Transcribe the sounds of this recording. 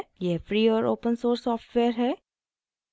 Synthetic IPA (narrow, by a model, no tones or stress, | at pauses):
jɛfɾiːɔːɾo̰ːpənsoːɾsːɔːfʈʋeːəɾɦɛː